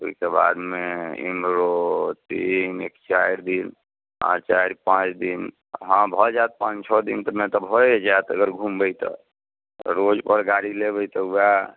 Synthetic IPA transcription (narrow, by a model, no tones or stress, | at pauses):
o̰ikeba̰d̪meḭmɾot̪inekt͡ʃaiɾd̪in | ɦã̰t͡ʃajɾpãt͡ʃd̪in | ɦãbʱɔd͡ʒat̪̚pãt͡ʃt͡ʃʰɔd̪int̪ɔmẽt̪əbʱod͡ʒat̪əɡəɾɡʱumbəjt̪ɔ̰ | ɾod͡ʒpəɾɡaɽilebəjt̪ɔua